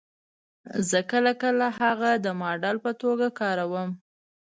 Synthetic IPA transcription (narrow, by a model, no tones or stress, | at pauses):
zəkəlakəlaɦaɣad̪əmɑɖɑlpət̪oɡakɑɾawəm